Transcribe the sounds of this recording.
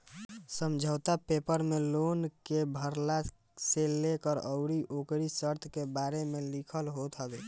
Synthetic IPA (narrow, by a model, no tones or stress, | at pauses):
səmd͡ʒʱət̪apepəɾmelonkebʱəɾla | selekəɾəʊɾiʔokɾisəɾt̪ʰkebaɾemelikʰəlɦot̪ɦəbe